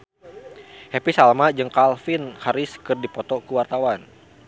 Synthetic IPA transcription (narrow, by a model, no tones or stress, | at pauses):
hepisalmad͡ʒɨŋkalfinhaɾɪskɨrdipɔt̪ɔkuwart̪awan